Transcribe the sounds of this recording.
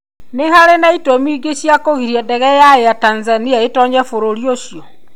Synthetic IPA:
neɦaɾenaitomiːɡeɕjakoɣiɾijadɛɣɛjaejatanzaniaetɔɲɛfoɾoɾioʃjɔ

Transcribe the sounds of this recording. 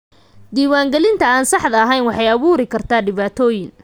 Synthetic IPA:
d̪iːwaːŋɡɛlɪnt̪ʰɐaːnsɑħd̪ɐːɦɛjnwɑħɑjɐβuːɾɪkʰɐrt̪ʰaːɖɪβaːt̪ʰɔːjɪŋ

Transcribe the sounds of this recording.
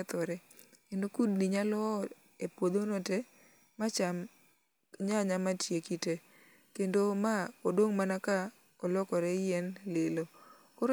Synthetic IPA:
t̪ɔɾɛ | kendokudniɲalɔ | epwod̪onɔtɛ | mat͡ʃam | ɲaɲamatjekite | kendomakodoŋmanaka | ɔlɔkɔɾɛjɛnlɪlo | koɾ

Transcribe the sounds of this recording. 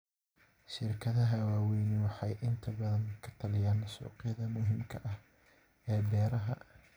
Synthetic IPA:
ʃɪrkʰɐðɐɦɐwaːwɛjnɪwɑħɑjʔɪnt̪ʰɐbɐðɐnkʰɐ̥t̪ʰɐlɪjaːnːɐsṵːqɪjɐðɐmʊɦɪmkʰɐʔɐh | ɛːbɛːɾɐɦɐ̰

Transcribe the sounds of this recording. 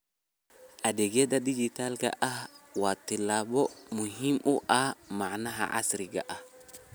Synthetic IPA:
ʔadɛɡɛdadid͡ʒit̪alɡa̰ʔawat̪ːilabɔmuɦimṵʔamaʕnaɦa̰ʔa̰sɾiɡa̰ʔa

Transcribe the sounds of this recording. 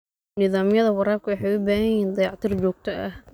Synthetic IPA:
nɪðaːmjɐðɐwɑɾaːbkʰʊwɑħɑjʊbaːɦɐjiːnd̪ɑjɑʕt̪ʰiːrd͡ʒɔːɡ̚t̪ʰɐʔɐh

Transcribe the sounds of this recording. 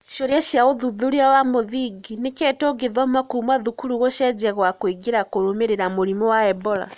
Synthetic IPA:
ʃoɾjaʃjaoðuðuɾiawamoðiɡinekɛtoɡeðɔmakumaðukuɾuɣoʃɛd͡ʒɛɣwakwiɡeɾakoɾomeɾeɾamoɾimɔwaɛbɔɾa̰

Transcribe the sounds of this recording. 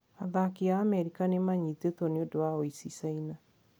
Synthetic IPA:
aðakiaːmɛɾikanemaɲitetɔneodoaoisisaina

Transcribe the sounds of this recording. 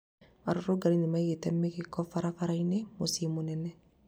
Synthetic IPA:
maɾoɾoɡaɾinimaiɣetɛmːekekːɔfaɾafaɾainemosimonɛnɛ

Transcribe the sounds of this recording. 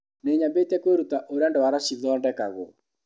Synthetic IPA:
neɲambetɛkweɾutaʔoɾandɔwaɾaʃiðɔndɛkaɣɔ̰

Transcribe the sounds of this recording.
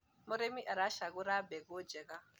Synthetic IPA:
mɔɾemiʔaɾaʃaɣuɾabɛɡod͡ʒɛɣa

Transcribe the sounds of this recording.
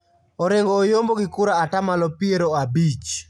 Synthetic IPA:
oɾeŋɡɔːjomboɡɪkʊɾaːtamalɔpieɾoabit͡ʃ

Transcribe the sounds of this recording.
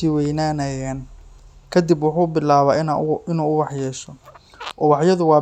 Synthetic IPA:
iwɛjnaːnɐjaːnkʰɐd̪ibwʊħuːbɪlaːβaːɪnuːʊwɑħjɛːʃɔ | ʔɔːwɑħjɐðʊwɑː

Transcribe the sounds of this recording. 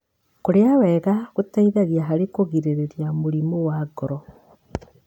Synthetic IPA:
koɾeawɛɣaɣotaiðaɣjaɦaɾekoɣiɾeɾeɾjamoɾimowaɡɔɾɔ

